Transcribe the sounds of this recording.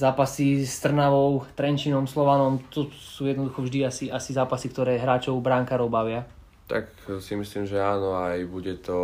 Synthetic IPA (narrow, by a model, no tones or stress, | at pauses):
zaːpasist̪r̩naʋɔʊt̪ɾɛnt͡ʃinɔmslɔʋanɔmt̪ɔsuːjɛd̪nɔd̪uxɔvʒd̪iasiasizaːpasikt̪ɔɾɛːɦɾaːt͡ʃɔʊbɾaŋkaɾɔʊbaʋɪa | t̪ak | simisliːmʒɛaːnɔajbuɟɛt̪ɔ